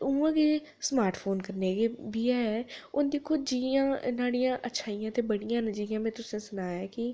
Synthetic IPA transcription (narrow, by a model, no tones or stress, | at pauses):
uãːkeː | smaːɾʈpʰoːnkəɾneːɡeːbiːaːɛːʊnd̪ikʰːod͡ʒiːãːnaːɽijãːʔətːʃʰaːijãːt̪eːbəɽijãːnəd͡ʒiːãːmẽːt̪ʊsnẽːsʊnaːjaːkɪ